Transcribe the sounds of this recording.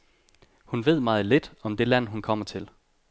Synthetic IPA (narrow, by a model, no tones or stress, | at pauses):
hunʋe̝ð̰ˠmɑ̈ːð̞̩ˠle̝d̥ɒ̽md̥e̝læn̰ɦunkʰɒ̽m̰ɐt͡sʰe̝l